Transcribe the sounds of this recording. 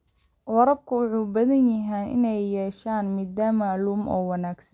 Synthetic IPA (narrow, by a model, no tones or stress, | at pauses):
wɑɾɐb̚kʰʊwʊħuːbɐðɐnjɐɦɛːnʔɪ̰nɛjːɛːʃaːnmaːd̪aːmɐluːmʔɔ̰ːwɑnaːɡsɐn